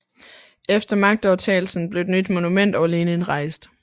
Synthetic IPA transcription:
ʔefd̥ɐmɑ̈ɡ̥̚d̥ɒʊt͡sʰɛ̰ːl̩sn̩b̥le̝ʊed̥nyd̥mo̝numen̰d̥ɒʊæle̝ːnənʁɑ̈ɪsd̥

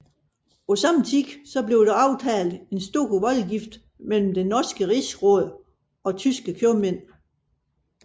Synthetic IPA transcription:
ɒ̽sɑ̈m̰n̩t͡sʰiɡ̥sɒ̽b̥le̝ʊd̥ɑ̈ɑ̈ʊt͡sʰɛːl̩d̥e̝nsd̥o̝ːkʰoʋɒ̽lɡ̥ifd̥ | mel̰m̩d̥enɒsɡ̥əʁisʁɔðˠ | ɒ̽t͡sʰysɡ̥əkʰjomen̰

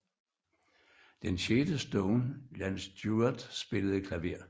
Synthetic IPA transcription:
d̥enɕeːd̥əsd̥ɔʊnjænsd̥jud̥sb̥e̝ləð̩ˠikʰlæʋe̝ɐ̰

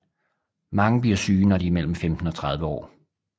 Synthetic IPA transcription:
mɑ̈ŋəb̥liɐsyːnɒd̥iːmel̰m̩femd̥n̩ɒ̽t͡sʰʁɑð̞ˠʋəɒ̰ː

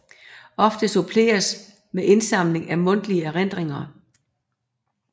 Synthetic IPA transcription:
ɒ̽fd̥əsopʰle̝̰ːɐs | meʔe̝nsɑ̈m̰le̝ŋæmɔ̽n̰d̥liəæʁen̰d̥ʁeŋɐ

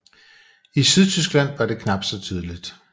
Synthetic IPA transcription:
isyðˠt͡sʰysɡ̥læn̰ʋɑ̈ɾe̝kʰnɑ̈b̥d̥sɒ̽t͡sʰyːð̞ˠəlid̥

